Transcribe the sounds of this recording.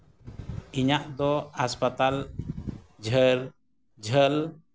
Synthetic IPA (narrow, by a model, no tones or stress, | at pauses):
iɲaʔd̪ɔhaspat̪al | d͡ʒʱəɾ | d͡ʒʱəl